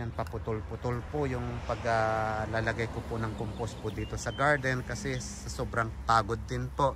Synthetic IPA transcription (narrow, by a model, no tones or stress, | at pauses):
ɐŋpɐpʊt̪ʊlpʊt̪olpʊjʊŋpɐɡalalɐɡajkopʊnɐŋkompospʊd̪iːt̪osɐɡaɹd̪ɛnkɐsɛsɐsobɾɐŋpaːɡod̪ːɪnpoʔ